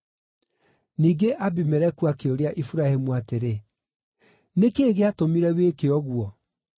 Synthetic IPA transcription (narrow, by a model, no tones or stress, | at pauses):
niːɡeʔabimɛɾɛkuakeoɾeaʔifuɾahemuateɾe | nekeːɣeatomiɾɛwekeɔɣwɔ